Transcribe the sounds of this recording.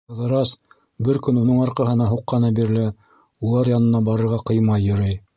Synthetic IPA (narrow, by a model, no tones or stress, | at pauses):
ɤ̆ðɤ̆ɾɑs | bɘɾkɵnunɤɴɑɾqɑɦɤ̆nɑɦuqːɑnɑbiɾ̆lɘ | ulˠɑɾjɑnɤ̆nɑbɑɾɤ̆ɾʁɑqɤ̆jmɑjːɵ̆ɾɤj